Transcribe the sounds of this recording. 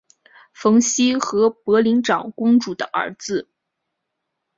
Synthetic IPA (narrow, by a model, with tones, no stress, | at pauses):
fɤ˧˥ŋɕi˥xɤ˧˥pɤ˧˥li˧˥ŋʈ͡ʂɑ˨˩ŋkʊ˥ŋʈ͡ʂu˨˩d̪ə˦ʔə̰˞˧˥d͡zɹ̩˥˩